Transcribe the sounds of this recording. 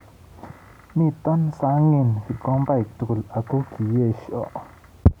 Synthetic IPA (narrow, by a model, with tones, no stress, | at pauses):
mĩ˦˨t̪ɔ˦nsa˧˦ŋi˧˨nfi˨kɔ˦mba˦˨k̚t̪u˨ku˨lʔa˨ku˦ki˨je˦˨ʃʔɔ̰˨ʔ